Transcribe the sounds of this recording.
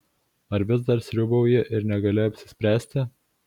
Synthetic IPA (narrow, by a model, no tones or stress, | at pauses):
ɐɾʋʲɪz̬d̪ɐɾsʲɾʲʊbɐʊjɪʔɪɾnʲɛɡɐlʲɪɐpʲsʲɪ̥sʲpʲɾʲæːsʲt̪ʲɪ